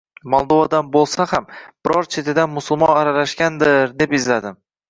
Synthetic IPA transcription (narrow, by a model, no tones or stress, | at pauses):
mɒlˠd̪ovad̪anbolˠsahamb̥ɪɾɒɾt͡ʃʰe̞t̪ʰɪd̪anmʊsʊlˠmɒnaɾalaʃɡʲand̪ɪɾd̪e̞pɪzlad̪ɪm